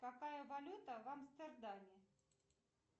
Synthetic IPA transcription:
kakajɐvalʲut̪ɐvɐmst̪ɛrd̪amʲɪ

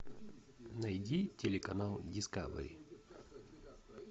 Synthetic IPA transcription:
nɐjdʲitʲelʲekɐnalˠdʲɪska̰v̰ɾʲḭ

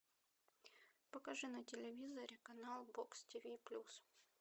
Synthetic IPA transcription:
pəkɐʐɨnɐtʲɪlʲɪvʲizəɾʲɪkɐnalˠbokstʲivʲiplʲus

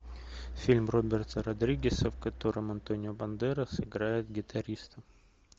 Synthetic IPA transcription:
fʲilʲmrobʲɪrt̪əɾɐd̪ɾʲiɡʲɪsəfkɐt̪o̞ɾəmɐnt̪onʲɪʊbɐnd̪ɛɾəsɨɡɾajɪt̪̚ɡʲɪt̪ʰɐɾʲist̪əm

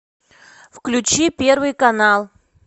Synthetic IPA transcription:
fklʲʉt͡ɕipʲe̞rvɨjkɐnalˠ

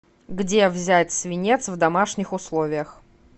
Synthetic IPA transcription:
ɡdʲevzʲætʲsvʲɪnʲet̪svd̪ɐmaʂnʲɪxʊslˠovʲɪjəx

